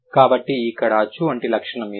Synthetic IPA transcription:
kaːbɐʈːiːkːɐɽaːt͡ʃuɐɳʈilɐkʂɐɳɐmi

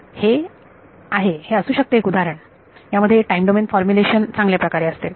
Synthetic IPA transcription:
he | aɦeheəsuːɕək̚t̪eɦekud̪ʱaɾəɳ | jaməd̪ʱːjeʈajimɖomenfɔɾmjuleɕənt͡sãŋɡljapɾəkaɾeəst̪e

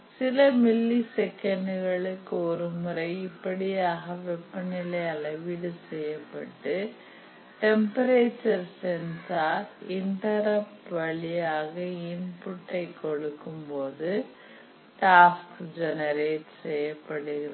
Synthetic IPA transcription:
sɪlɐmɪlːisɛkːɐɳɖɯɣɐɭɯkːɯɔɾɯmʊɾɐɪɪpːɐɽɪjaːɣɐʋɛpːɐnɪlɐjɐlɐʋiɽɯsɛjːɐpːɐʈːɯ | ʈɛmpɐɾeːt͡ʃːɐɾsɛnsaːɾɪɳʈɐɾɐpʈʋɐɭɪjaːɣɐɪnpʊʈːɐɪkːɔɽɯkːɯmpoːðɯ | ʈaːskd͡ʒɛnɐɾeːʈsɛjːɐpːɐɽɯɣɪɾɐ

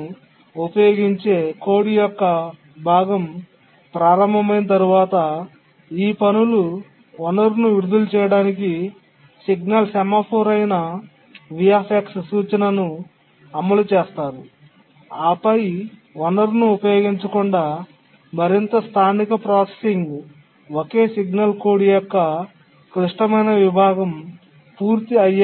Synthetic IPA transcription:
upɐjo̞ːɡiɲt͡ʃe̞ːko̞ːɽijɔkːɐ | bʱaːɡɐm | pɾaːɾɐmbʱɐmɐjnɐt̪ɐɾuʋaːt̪ɐ | iːpɐnulu | ʋɔnɐɾnuʋiɾud̪ulut͡ʃɛːjɐɽaːniki | siɡnɐlsɛmapʰoːɾɐjnɐ | ʋijaːpʰekssuːt͡ʃɐnɐnu | ɐmːɐlut͡ʃɛːst̪aːɾu | aːpɐj | ʋonɐɾnuupɐjo̞ːɡiɲt͡ʃɐkuɳɖaː | mɐɾint̪ɐst̪ʰaːnikɐpɾaːse̥siŋɡ | oke̞ːsiɡnɐlkoːɽijɔkːɐ | kɾiʂʈɐmɐjnɐʋibʱaːɡɐm | puːɾt̪iɐj

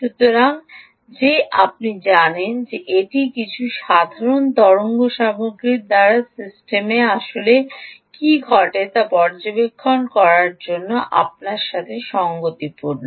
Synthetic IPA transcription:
ʃut̪ːoɾaŋ | d͡ʑeʔa̰p̚nid͡ʑanend͡ʑeʔeʈikit͡ɕʰuʃad̪ʱaɾont̪ɔɾoŋɡoʃamoɡɾiɾd̪aɾasisʈemeaʃolekiɡʱɔʈet̪apɔɾd͡ʑobekʰːonkɔɾaɾd͡ʑonːoʔa̰p̚naɾʃat̪ʰeʃɔŋɡot̪ipuɾna

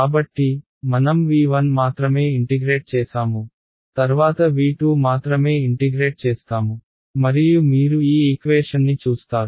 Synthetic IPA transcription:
kaːbɐʈːi | mɐnɐmʋiːʋɐnmaːt̪ɾɐme̞ːiɳʈiɡɾe̞ːʈ̚t͡ʃɛːsaːmu | t̪ɐɾʋaːt̪ɐʋiːʈuːmaːt̪ɾɐme̞ːiʈiɡɾe̞ːʈ̚t͡ʃeːst̪aːmu | mɐɾijumiːɾuiːikʋeːʂɐnːit͡ʃuːst̪aːɾu

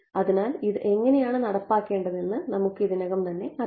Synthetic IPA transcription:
ɐðinaːliðɨʔe̞ŋːɐnejaːɳɨnɐɽɐpːaːkːe̞ːɳɖɐðe̞nːɨnɐmukːɨiðinɐɣɐmt̪ɐnːe̞ɐ

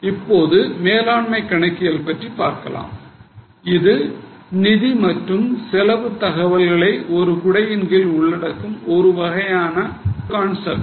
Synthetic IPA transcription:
ɪpːoːðɯmeːlaːɳmɐɪkːɐɳɐɪkːɪjɐlpɐʈripːaːɾkɐ̰la̰ːm | ɪðɯnɪðimɐʈrɯmsɛlɐʋɯt̪ːɐɣɐʋɐlɣɐɭɐɪʔɔɾɯkʊɽɐjɪnɡɪlʊɭːɐɽɐkːɯmɔɾɯʋɐɣɐjaːnɐkaːɳsɐ̰l

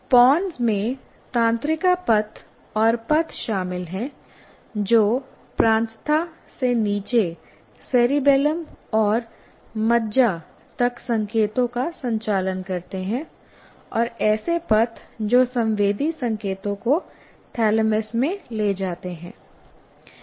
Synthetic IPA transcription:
pɔːnzmẽ | t̪ãːnt̪ɾɪkapɐt̪ʰ | ɔːɾpɐt̪ʰʃaːmɪlɦɛ̃ | d͡ʒoː | pɾãːnt̪t̪ʰa | seniːt͡ʃe | seːɾibɛːləmɔːɾ | mɐdd͡ʒa | t̪ɐksɐ̃ŋkeːt̪õkasɐ̃ɲt͡ʃaːlənkɐɾt̪eɦɛ̃ | ɔːɾɛːsepɐt̪ʰd͡ʒoːsɐ̃mʋeːd̪ʱisɐ̃ŋkeːt̪õko | ʈʰɛːləmesmẽleːd͡ʒaːt̪eɦɛ̃ː

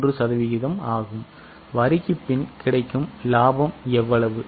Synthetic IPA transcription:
rɯsɐðɐʋɪɣɪðɐmaːɣɯm | ʋɐɾɪkːɯpːɪnkɪɽɐɪkːɯmlaːbɐmɛʋːɐɭɐʋɯ

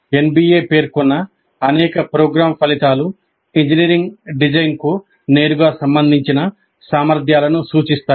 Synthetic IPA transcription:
enbiːje̞ːpe̞ːɾkunːɐ | ɐnɛːkɐpɾoːɡɾaːmpɐlit̪aːlu | iɲd͡ʒiniːɾiŋɡɖid͡ʒɐjnku | ne̞ːɾuɡaːsɐmbɐnd̪ʱiɲt͡ʃinɐ | saːmɐɾd̪ʱjaːlɐnusuːt͡ʃist̪aː

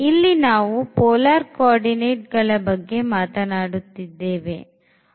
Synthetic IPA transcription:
ilːinaːʋupɔːlaːɾkaːɾɖineːʈ̚ɡɐɭɐbɐɡːe̞maːt̪ɐnaːɽut̪ːid̪ːe̞ːʋe̞̰

